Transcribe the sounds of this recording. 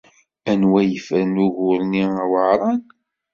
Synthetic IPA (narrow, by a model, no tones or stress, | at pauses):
ænwæjəfəɾnuɣʊɾniwəɾˤɑn